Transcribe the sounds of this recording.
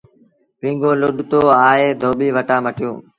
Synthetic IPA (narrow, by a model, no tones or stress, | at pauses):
pĩːŋɡõːlʊɗt̪oːaːeːd̪ʱoːɓiːʋəʈaːməʈɪjõ̰ː